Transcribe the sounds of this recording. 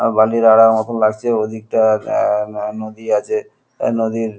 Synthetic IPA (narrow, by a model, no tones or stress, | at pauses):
baliɾaɽaɾmɔt̪ʰomlaɡ̚t͡ɕʰeod̪ʱik̚ʈa | nod̪iad͡ʑʰe | nod̪iɾ